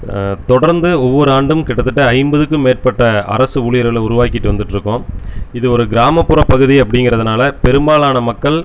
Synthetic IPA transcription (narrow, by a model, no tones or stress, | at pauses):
t̪ɔɽɐɾnd̪ɯɔʋːɔɾɯaːɳɖɯmkɪɽɐt̪ːɯʈːɯɐɪmbɐðɯkːɯmːeːʈ̚pɐʈːɐɐ̰ɾɐsɯʊɭɪjɐɾɣɐlʊɾʊʋaːkɪʈːɯʋɐnd̪ɯʈːɯɾɯkːʊ̃ɪðɯɔɾɯɡɪɾaːmɐpːɯɾɐpɐɣɯðiɐpːɐɽɪŋɡɪɾɐðɯnaːlɐpɛɾɯmbaːɭaːnɐmɐkːɐɭ